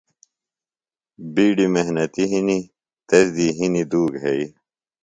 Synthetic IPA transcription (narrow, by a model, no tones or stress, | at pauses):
biːɖimeɦnɐt̪iɦini | t̪ɐzd̪iɦinid̪uːɡɦei